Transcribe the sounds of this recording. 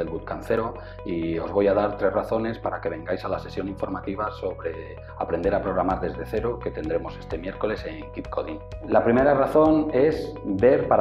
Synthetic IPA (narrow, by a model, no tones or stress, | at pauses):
elβut̪̚kanθe̞ɾo | io̞zβo̞jaðaɾt̪ɾe̞zraθo̞ne̞spaɾake̞β̞e̞ŋɡajsalase̞sjo̞niɱfo̞ɾmat̪iβ̞aso̞βɾe̞ | apɾend̪e̞ɾapɾo̞ɣɾamaɾðe̞zðe̞θe̞ɾoke̞t̪e̞nd̪ɾe̞mo̞se̞st̪e̞mje̞ɾko̞le̞se̞ŋkit̪ko̞ðḭŋlapɾime̞ɾaraθo̞ne̞sbe̞ɾpaɾ